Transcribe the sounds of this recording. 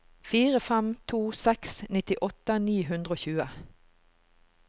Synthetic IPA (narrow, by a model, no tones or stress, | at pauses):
fiːʁəfɛmt̪ʰuːsɛksnɪt̪ɪʔɔt̪əniːɦʉnd̪ʁəoːçʉːə